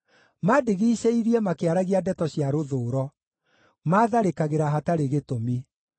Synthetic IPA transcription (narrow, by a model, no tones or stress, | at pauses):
madeɣiːɕeiɾiɛmakeaɾaɣiadɛtɔɕjaɾoðoːɾɔ | maːðaɾekaɣeɾaɦataɾeɣetomi